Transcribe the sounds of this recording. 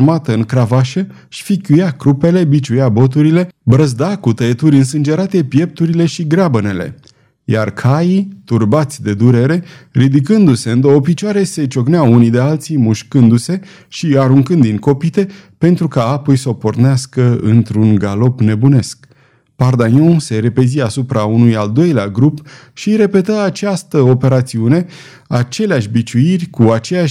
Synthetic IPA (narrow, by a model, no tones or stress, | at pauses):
mat̪əɨŋkɾavaʃə | ʃfikʲujakɾupe̞le̞bit͡ʃujabo̞t̪uɾile̞bɾəzd̪akut̪əet̪uɾʲɨnsɨnd͡ʒe̞ɾat̪e̞pje̞p̚t̪uɾile̞ʃiɡɾabəne̞le̞̰ | jarkʰajit̪urbat̪sʲd̪e̞d̪uɾe̞ɾe̞rid̪ikɨnd̪use̞ɨnd̪oːpit͡ʃwaɾe̞se̞t͡ʃo̞ɡneaunid̪e̞alt̪simuʃkɨnd̪use̞ | ʃiaɾuŋkɨnd̪iŋko̞pit̪e̞pe̞nt̪ɾukaapojsəoporneaskəɨ̰nt̪ɾunɡalo̞pne̞bune̞sk | pard̪anʲjõseɾe̞peziasupɾaunujald̪o̞jleaɡɾup | ʃiɾe̞pe̞t̪əat͡ʃast̪əo̞pe̞ɾat̪siune̞ | at͡ʃe̞leaʃʲbit͡ʃuirʲkuat͡ʃeja